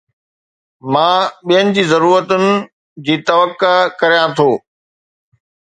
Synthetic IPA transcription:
mãːɓijənɪ̆d͡ʑiːzɐɾuːɾət̪ʊnɪ̆ | d͡ʑiːt̪ɐʋəkːakɐɾijãt̪ʰoː

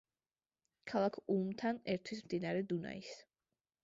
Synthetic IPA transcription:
kʰalˠakʰumt̪ʰanɛɾt̪ʰwismd̪inaɾɛd̪una̰is

